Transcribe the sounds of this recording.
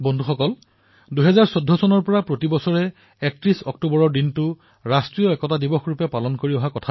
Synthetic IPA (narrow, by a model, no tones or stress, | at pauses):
bondʱuxɔkɔl | duɦɛzaɹsɔdʱːɔsɔnɔɹpɔɹapɹotibɔsɔɹɛ | ɛk̚tɹisɔk̚tubɔɹɔɹdintʊ | ɹastɹijɔɛkɔtadibɔxɹupɛpalɔnkoɹiɔɦakɔtʰa